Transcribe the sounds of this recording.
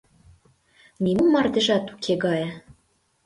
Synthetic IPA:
nimumɑrd̪ĕʒɑt̪ukʰeɣɑjə

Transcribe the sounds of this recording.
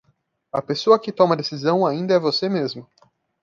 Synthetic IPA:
ɐpesoɐkɪt̪õmɐd̪esizɐ̃w̃aĩnd̪ɐɛvosemezmɐ

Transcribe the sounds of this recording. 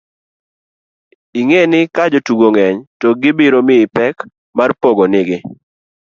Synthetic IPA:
iŋenɪkad͡ʒotuɡoŋɛɲtɔɡɪbiɾomɪɪpɛk | marpoɡonɪɡɪ

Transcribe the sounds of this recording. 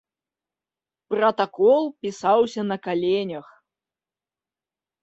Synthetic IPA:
pɾɐt̪akɔlˠpʲisawsʲɐnɐkalʲenʲɐx

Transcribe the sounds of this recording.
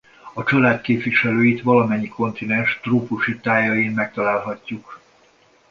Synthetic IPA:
ɒt͡ʃɒlaːt̪keːpʋiʃɛløːjit̪ʋɒlɒmɛɲːikʰo̞nt̪inɛnʃt̪roːpuʃit̪aːjɒjinmɛk̚t̪ɒlaːlɦɒcːuk

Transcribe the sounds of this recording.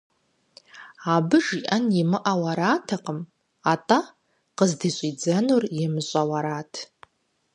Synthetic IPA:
abɨʐiʔanimɨʔawaɾaːtʰaqʼəm | atʼa | qəzdiɕʷʼid͡zanurjɪmɨɕʼawaɾaːtʰ

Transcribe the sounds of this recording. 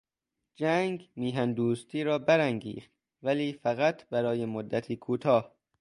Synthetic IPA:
d͡ʒæŋɡmiːɦænd̪uːst̪ʰiːɾɒːbæɾæŋɡḭːχt̪ | væliːfæɣæt̪ʰbæɾɒːjemod̪ːæt̪ʰiːkʰuːt̪ʰɒːh

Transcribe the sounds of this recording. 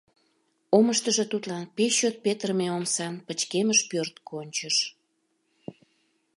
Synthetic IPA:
oməʃt̪əʒə̽t̪ut̪lɑnpeɕot̪̚pet̪ərmeomsɑnpət͡ɕkeməʃpørt̪kʰonʲt͡ɕəʃ

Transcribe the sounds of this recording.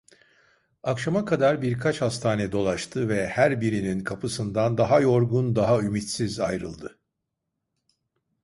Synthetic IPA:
akʃamakʰad̪aɾbiɾkʰat͡ʃhast̪ʰaːnɛd̪o̞lˠaʃt̪ʰɯvɛhæɾbiɾininkʰapʰɯsɯnd̪and̪aɦajo̞ɾɡund̪aɦaymit̪sizajɾɯ̰lˠd̪ɯ

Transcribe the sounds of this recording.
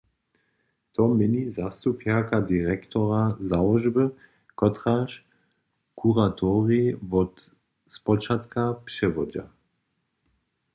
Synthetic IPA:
t̪ɔmɛnizast̪upjakadiʁɛkt̪ɔʁazalɔʒbə | kɔt̪ʁaʃ | kʰuʁat̪ʰɔʁivɔt̪ | spɔt͡ʃat̪kapʃɛvɔd͡ʒa̰

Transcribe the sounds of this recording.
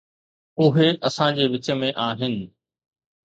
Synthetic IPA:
ʊɦeʔɐsãd͡ʑeːʋɪt͡ɕə̆mẽʔaːɦɪnɪ̆

